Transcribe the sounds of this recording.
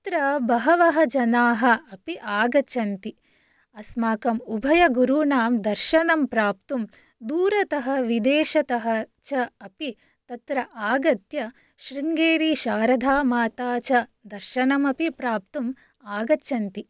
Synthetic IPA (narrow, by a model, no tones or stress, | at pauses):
tɐt̪ɾɐbɐɦɐʋɐɦɐd͡ʒɐnaːɦɐːpiʔaːɡɐt͡ʃʰɐnt̪i | ɐsmaːkɐmubʱɐjɐɡuɾunaːmd̪ɐɾʃɐnɐmpɾaːpt̪um | d̪uːɾɐt̪ɐɦɐʋid̪eːʃɐt̪ɐɦɐ̆t͡ʃɐɐpi | t̪ɐt̪ɾɐʔaːɡɐt̪jɐ | ʃɾiŋɡeːɾiʃaːɾɐd̪ʱaːmaːt̪aːt͡ʃɐd̪ɐɾʃɐnɐmɐpipɾaːp̚t̪um | aːɡɐtːt͡ʃʰɐnt̪i